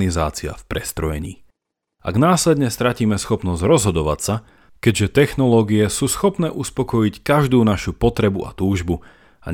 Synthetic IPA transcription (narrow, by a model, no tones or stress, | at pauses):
nizaːt͡sia̰fpɾɛst̪ɾɔjɛɲḭː | ʔa̰ɡnaːslɛd̪ɲɛst̪ɾaciːmɛsxɔpnɔzɟɾɔzɦɔd̪ɔʋa̰csa | kɛɟʒɛt̪ɛxnɔlɔːɡiɛsuːsxɔpnɛːʔuspɔkɔjickaʒd̪uːnaʃupɔt̪ɾɛbuʔa̰t̪uːʒbu | a̰